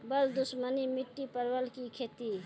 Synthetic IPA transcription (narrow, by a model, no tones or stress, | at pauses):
bəld̪usmənimiʈːipəɾbəlkikʰet̪i